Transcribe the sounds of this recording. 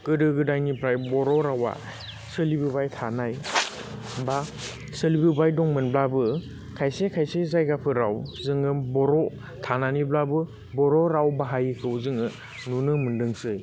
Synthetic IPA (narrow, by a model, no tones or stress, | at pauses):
ɡ̥ɯdɯɡɯdajnipʰɾajbɔɾɔɾawa̰ | sɯlibɯbajtʰanaj | ba | sɯlibɯbajdɔŋmɯnblabɯ | kʰajsekʰajsezajɡapʰɯɾawzɯŋɯbɔɾɔ | tʰananiblabɯ | bɔɾɔɾawbaɦajikʰɯwzɯŋɯ | nunɯmɯndɯŋsɯj